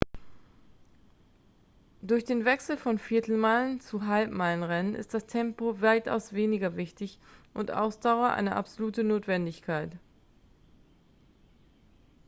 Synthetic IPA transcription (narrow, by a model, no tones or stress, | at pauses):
d̥ʊɐçd̥eːnvɛksl̩fɔnfɪɐtl̩maɪlənt͡suɦalpmaɪlənʁɛnənʔɪ̰std̥astʰɛmpovaɪtʔa̰ʊsv̥eːnɪɡɐvɪçtɪçʔʊntʔa̰ʊsd̥aʊɐʔa̰ɪnəʔa̰pz̥oluːtənoːtv̥ɛndɪçkʰaɪt